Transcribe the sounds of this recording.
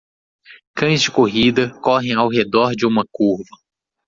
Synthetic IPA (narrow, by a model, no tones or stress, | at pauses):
kɐ̃j̃zd͡ʒɪkoɦid̪ɐkɔɦẽj̃awɦed̪ɔɾd͡ʒɪũmɐkuɾvɐ